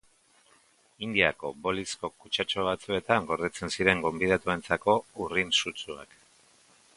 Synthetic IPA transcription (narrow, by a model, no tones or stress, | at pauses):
ind̪iako̞bo̞lisko̞kut͡ʃat͡ʃoβ̞at͡sue̞t̪aŋɡo̞ɾðet͡se̞nsiɾe̞ŋɡo̞mbið̞at̪ue̞nt͡sako̞urinsut͡sua̰k